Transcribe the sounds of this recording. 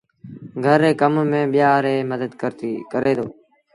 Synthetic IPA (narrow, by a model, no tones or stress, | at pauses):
ɡʱəɾeːkəmmẽːɓɪjaːɾeːməd̪əd̪kəɾt̪ikəɾeːd̪oː